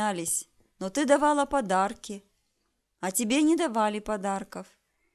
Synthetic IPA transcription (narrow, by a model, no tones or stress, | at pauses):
alʲɪsʲ | not̪ɨd̪ɐvalˠɐpɐd̪arkʲɪ | ɐtʲɪbʲenʲɪd̪ɐvalʲɪpɐd̪arkɐf